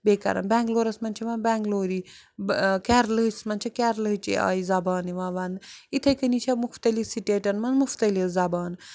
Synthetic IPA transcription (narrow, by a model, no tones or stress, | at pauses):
beːkɐ̰ɾɐ̰mbɛːŋɡloːɾɐsmɐnt͡ʃʰiʋãːnbɛ̃ːŋɡloːɾi | kɛːɾləɦsmɐnt͡ʃʰɐkɛɾləɦt͡ʃḭa̰ːizɐbaːniʋãːʋɐnit̪ʰɐjkənit͡ʃʰamuxt̪ɐlisiʈeːʈɐnmɐnmuft̪ɐlilzɐbaːn